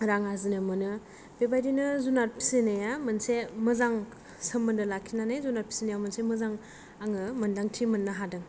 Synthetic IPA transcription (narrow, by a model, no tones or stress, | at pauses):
ɾaŋazinɯmɯnɯ | bebajdinɯzunaɾpʰi̥senajamɯnsemɯzaŋ | sɯmːɯndɯlakʰinanajzunaɾpʰi̥sinajamɯnsemɯzaŋ | aŋɯmɯndaŋtʰimɯnːɯɦadɯŋ